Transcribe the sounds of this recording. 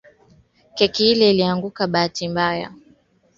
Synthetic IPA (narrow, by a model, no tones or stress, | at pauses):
kɛkiilɛiliaŋɡukaɓaːtimbaja̰